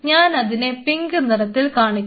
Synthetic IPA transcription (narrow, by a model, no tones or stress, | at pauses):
ɲaːnɐðinepiŋɡɨnɐɾɐt̪ːilkaːɳikʲː